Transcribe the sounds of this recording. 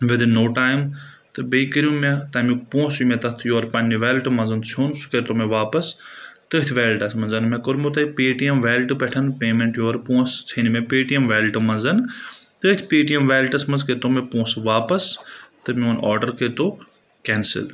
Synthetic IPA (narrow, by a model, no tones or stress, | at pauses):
ʋɪd̪nːoːʈaːjm | t̪ɨbekəɾijũmet̪ɐmipõːsjumẽt̪ɐt̪ʰjoːɾpɐnːiʋeːlʈɨmɐnzɐnt͡sʰoːnsu̥ket̪omeʋaːpɐst̪əːt̪ʲʰʋeːlʈɐsmɐnzɐnmẽkəɾmot̪ɐpeːʈiɐmʋeːlʈɨpeʈʰɐnpeːmẽɳʈjoːɾpõːst͡sʰɐnimẽpeːʈijɐmʋeːlʈɨmɐnzɐn | t̪ət̪ʰʲpeːʈijɐmʋeːlʈɐsmɐnzket̪omepõːsʋaːpɐst̪ɨmiɐnɔːɾɖəɾkeːt̪oː | kɛːnsɪ̰l